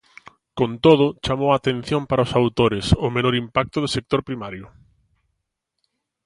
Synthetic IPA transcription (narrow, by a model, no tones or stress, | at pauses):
kont̪oð̞ʊt͡ʃamowaːt̪en̟θjompaɾaʊsawt̪oɾɪsʊmenoɾimpak̚t̪ʊðʊsek̚t̪oɾpɾimaɾjʊ